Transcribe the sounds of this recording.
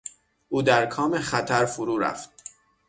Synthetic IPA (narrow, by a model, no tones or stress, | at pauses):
ʔuːd̪æɾkʰɒːmeχæt̪ʰæɾfoɾuːɾæ̰ft̪̚